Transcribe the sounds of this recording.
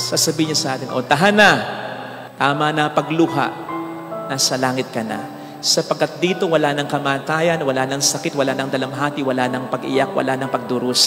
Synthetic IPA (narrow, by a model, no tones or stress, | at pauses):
sasɐbiːɪɲasɐʔaːt̪ɪnʔot̪ɐɦanɐ | t̪aːmɐnɐpɐɡluɦa̰ʔ | nasɐlaːŋɪt̪̚kɐna̰ | sɐpɐɡkːɐt̪̚d̪iːt̪o̞wɐlanɐŋkɐmaːt̪aːjɐnwɐlanɐŋsɐkɪt̪̚wɐlaːnɐŋd̪ɐlamɦaːt̪iwɐlanɐŋpɐɡʔɪ̰jak̚wɐ̰lanɐŋpɐɡ̚d̪ʊɾus